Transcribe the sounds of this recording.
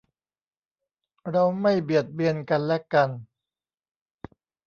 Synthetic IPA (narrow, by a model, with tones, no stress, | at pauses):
ɾa˧wma˥˩jbi˨˩ət̪̚bi˧ənka˧nlɛ˦˥ka˧n